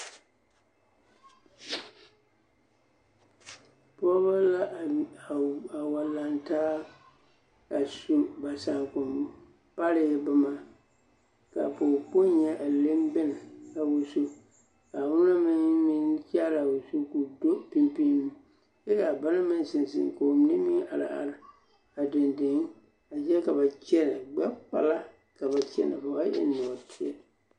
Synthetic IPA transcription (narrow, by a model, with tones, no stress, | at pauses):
pɔ˦βa˦la˦˨ | a˨wa˨la˨ntaː˦ | a˨su˨ba˨sa˨ŋkʊ˨m | pa˦ɾɪ˨ɪ˦bʊ˦ma˦ | ka̰˨pʊ˨pʊ˦ɲɛ˦ʔa˨le˦mbɪ˦nɪ˨a˨wo˨so˦ | ka˨wʊ˦na˦mɪ˦ŋmi˦t͡ʃa˦la˨wo˨su˦ku˨do˦pi˦mpi˦nu˦m | jɛ˦ka˨ba˦na˦mɪ˦n˦sɪ˨nsɪ̰˨ŋko˨m˦nɪ˦mi˦ʔa˨la̰˨ʔa̰˨ɾɪ˨ | a˨dɪ˨ndɪ˨ŋ˦ | a˨d͡ʒɛ˦ka˨ba˨t͡ʃɛ˦na˨ɡ͡ba˦k͡pa̰˨la˦ | ka˨ba˨t͡ʃɛ̰˦na̰˨ba˨ba˦ʔɪ̰˦nːɔ˨tʰi˦ɛ̰˦˨